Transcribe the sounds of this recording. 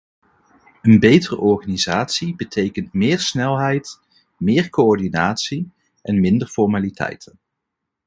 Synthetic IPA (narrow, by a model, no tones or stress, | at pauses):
ənbejtərə̰ʔɔɹχaːnizaːtsibətʰejkəntmɪːɹsnɛlˠɦɛjt | mɪːɹkoɔɹdinaːtsi | ʔɛnmɪndəɹfɔɹmaːlitʰɛ̰jtʰən